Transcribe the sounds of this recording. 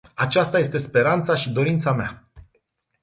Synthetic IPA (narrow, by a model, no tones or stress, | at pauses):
at͡ʃast̪aje̞st̪e̞spe̞ɾant̪saʃid̪o̞ɾint̪samea